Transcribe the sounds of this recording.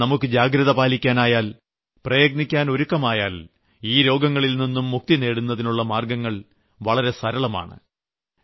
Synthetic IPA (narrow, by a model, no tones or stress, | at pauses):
nɐmukːɨd͡ʑaːɡɾɐðɐbaːlikʲːaːnaːjaːl | prɐjɐɡ̚nikʲːaːno̞ɾukːɐmaːjaːl | iːɾo̞ːɡɐŋːɐɭilninːumːuk̚t̪ine̞ːɽunːɐðinuɭːɐmaːrɡɐŋːɐɭ | ʋɐɭɐɾe̞sɐɾɐɭɐma̰ːɳɨ̰